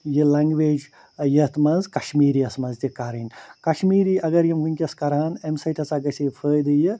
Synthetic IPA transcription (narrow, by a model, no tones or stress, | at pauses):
jɨlɐŋɡʋeːd͡ʒ | jɐt̪mɐnzkɐʃmiːɾiːɐsmɐnzt̪ikaːɾinʲkɐʃmiːɾiːʔɐɡɐɾjɐmʋɨnʲkʲɐskɐɾaːnemsɐjʈʰɐsaːɡɐseːpʰəːjd̪ɨjɨ